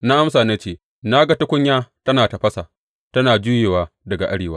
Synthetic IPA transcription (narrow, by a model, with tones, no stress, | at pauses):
na˦ʔa˦msaː˨na˦t͡ʃeː˦˨ | na˦ɡa˦tɐ˦kʷʊ˦ɲjaː˦tɐ˦naː˨ta˨ɸɐ˦sa˨ | tɐ˦naː˨d͡ʒu˦jeː˨waː˦dɐ˨ɡa˨ʔa˦ɽeː˨waː˦